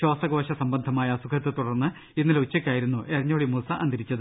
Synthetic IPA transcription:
ɕo̞ːsɐɡo̞ːɕɐsɐmbɐnd̪ʱɐmaːjɐsukʰɐt̪ːɨt̪uɽɐrnːɨ | inːiɐlut͡ɕːɐkʲːaːjiɾunːuʔerɐɲːoːɭimusɐʔɐ̰nd̪ɐɾit͡ɕːɐðɨ

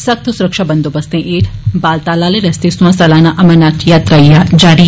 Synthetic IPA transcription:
sɐk̚t̪ʰsʊɾəkʃaːbənd̪oːbəst̪ẽːʔeːʈʰbaːlt̪aːlaːleɾɛst̪eːsuãːsɐlaːnãːʔɐmənaːt͡ʃjaːt̪ɾajad͡ʒaːɾi

